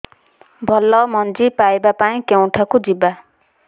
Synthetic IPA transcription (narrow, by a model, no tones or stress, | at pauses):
bʱɔlɔmɔnd͡ʒipajbapaĩkew̃ʈʰakud͡ʒiba